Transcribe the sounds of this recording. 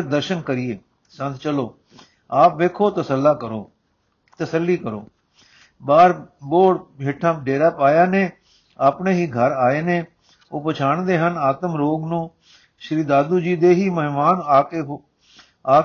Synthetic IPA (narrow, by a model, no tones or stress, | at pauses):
ɾd̪əɾʃənkəɾieː | sə̃nt̪t͡ʃəloː | aːpʋeːkʰoːt̪əsəlːaːkəɾoː | t̪əsəlːiːkəɾo̰ː | baːɾboːɽbʱeːʈʰãːɖeːɾaːpaːjaːnẽː | aːpɳeːɦiːɡʱəɾaːeːnẽː | oːpət͡ʃʰaːɳd̪eːɦənaːt̪əmɾoːɡnũː | ʃɾiːd̪aːd̪uːd͡ʒiːd̪eːɦiːməɦɪmaːnaːkeɦ | aː